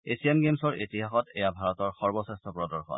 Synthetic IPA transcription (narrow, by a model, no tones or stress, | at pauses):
esiemɡemsɔɹetiɦaxɔtɛjabʱaɹɔtɔɹxɔɹbɔsɛstʰɔpɹɔdɔɹxɔ̰n